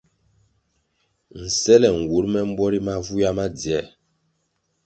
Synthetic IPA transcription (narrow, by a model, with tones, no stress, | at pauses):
n̩˨sɛ˦lɛ˨ŋ̩˨wu˨˦ɾmɛ˦m̩˦bɔ˦ɾi˦ma˦vu˦ja˦ma˦di˨ɛ˦˨